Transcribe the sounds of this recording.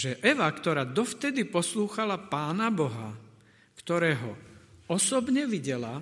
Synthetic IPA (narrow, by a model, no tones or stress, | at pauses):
ʒɛʔɛʋakt̪ɔɾaːd̪ɔft̪ɛd̪ipɔsluːxalapaːnabɔɦa̰ | kt̪ɔɾɛːɦɔ̰ɔsɔbɲɛʋiɟɛla